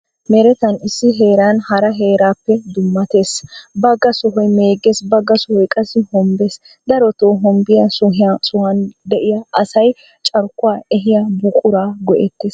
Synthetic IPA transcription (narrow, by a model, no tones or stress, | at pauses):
mɛɾɛt̪ɐnɪsːɪɦe̞ːɾaːnhɐɾɐɦe̞ːɾaːpːɛd̪ʊmːɐt̪eːsbɐɡːɐsɔɦɔjmeːɡeːsbɐɡːɐsɔhɔjkʼɐsɪhɔmbeːs | d̪ɐɾɔt̪oːɦɔmbɪjɐʊɦsʊhɐnd̪ɛʔɪjaʔɐsɐj | t͡ʃʼɐɾkːʊwaːɛɦɪjabʊkʼʊɾaːɡɔʔɛt̪ːeːs